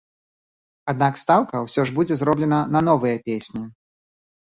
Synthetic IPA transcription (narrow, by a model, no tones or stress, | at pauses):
ad̪̚nakst̪awkɐwsʲɔʐbud͡zʲɛzɾɔblʲɛnɐnɐnɔvɨjɐpʲesʲnʲi